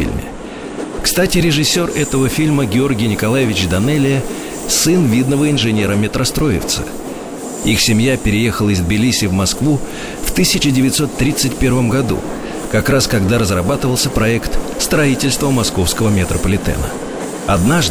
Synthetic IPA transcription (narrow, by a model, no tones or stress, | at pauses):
ḭlʲmʲɪ̰ | kst̪atʲɪɾʲɪʐɨsʲːo̞rɛt̪əvəfʲilʲməɡʲɪo̞rɡʲɪjnʲɪkɐlˠajɪvʲɪt͡ɕd̪ɐnɛlʲɪə | sɨnvʲid̪nəvəɪnʐɨnʲe̞ɾəmʲɪt̪ɾʔɐst̪ɾo̞jɪ̰ft̪sɨ̥̰ | ixsʲɪmʲjapʲɪɾʲɪje̞xəlˠɪzd̪bʲɪlʲisʲɪvmɐskvu | ft̪ɨsʲɪt͡ɕɪdʲɪvʲɪt̪so̞t̪ːɾʲit̪sɨtʲpʲe̞rvəmɡɐd̪ṵ | kɐkɾaskɐɡd̪aɾəzrɐbat̪ɨvəlˠsʲəpɾɐɛkt̪st̪ɾɐitʲɪlʲst̪vəmːɐsko̞fskəvəmʲɪt̪ɾəpəlʲɪt̪ɛ̰nə̰ | ɐd̪naʐ